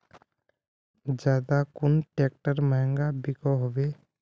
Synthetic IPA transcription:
d͡ʒjaːd̪akʊnʈeːk̚ʈəɾməɦɛ̃ŋɡabɪkoɦoʋeː

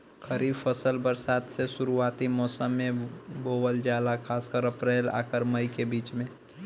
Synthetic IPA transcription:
kʰəɾibpʰəsəlbəɾsaːt̪sesuɾuaːt̪imɔːsəmːẽbowəld͡ʒalakʰaːskəɾəpɾeːla̰ːkəɾməjikebiːt͡ʃmẽ

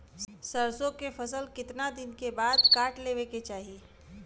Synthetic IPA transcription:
səɾsõkepʰəsəlkɪt̪nad̪ɪnkebaːd̪kaːʈleʋeket͡ʃaːɦi

